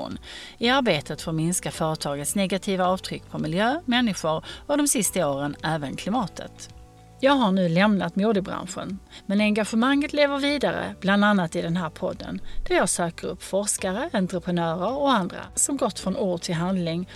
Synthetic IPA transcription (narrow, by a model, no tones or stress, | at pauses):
nɪaɾbeːt̪ʰət̪foːɾmɪnskafœːɾət̪ʰɑːɡət̪snɛɡat̪ʰiːvaɑːvt̪ʰɾʏkːpʰɔmɪljøːmɛnːɪɧʊɾɔd̪ɔmsɪst̪aoːɾənæːvənkʰlɪmɑːt̪ʰə̰t̪ | jɑːɡɦaɳʉ̟ːlɛmnat̪muːd̪əbɾa̰nɧə̰nmɛnɛŋɡaɧəmaŋːət̪leːvəɾviːd̪aɾə̰b̥land̪anːat̪ɪd̪ɛnɦæːɾpʰɔ̰d̪ːə̰nd̪̥æɾjɑːɡsøːkəɾɵ̰pːfɔɾʂkaɾəʔɛnt̪ɾəpʰɾənœːɾəɾɔand̪ɾa̰sɔmɡɔt̪ːfɾɔnoːʈʰɪlɦand̪lɪŋ